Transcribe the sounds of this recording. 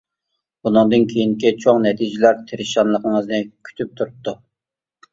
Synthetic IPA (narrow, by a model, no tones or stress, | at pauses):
bunɨŋd̪ɨnkʲʰejinkʲit͡ʃʰoŋnɛt̪ʰid͡ʒɪlæɾt̪ʰeɾɪʃɑnlˠəqnəŋəznɨkʲʰy̥t̪ʰyp̚t̪ʰuɾup̚t̪u